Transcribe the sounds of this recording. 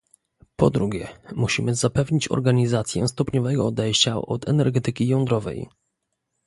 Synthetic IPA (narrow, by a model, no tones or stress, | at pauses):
pɔd̪ɾuɡʲɛmuɕimɘzapɛvɲit͡ɕɔ̰ɾɡaɲizat̪sʲjɛ̰st̪ɔpɲɔvɛɡɔɔd̪ɛjɕt͡ɕaɔt̪ɛnɛɾɡɛt̪ɘkʲijɔ̃nd̪ɾɔvɛ̰j